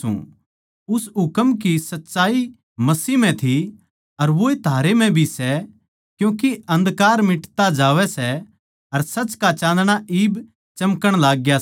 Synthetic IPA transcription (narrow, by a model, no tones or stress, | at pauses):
ṵ̃ | ʊsɦʊkəmkisɐtːʃaːi | mɐsiːmɛ̃t̪ʰi | ɐɾʋoːet̪ʰaːɾemɛ̃bʱisɛ | kjũːkiɐ̃nd̪kaːɾmɪʈt̪ad͡ʒaːʋɛsɛ | ɐɾsɐt͡ʃkat͡ʃãːnd̪ɽ̃aʔiːb | t͡ʃɐmkəɽ̃laːɡːja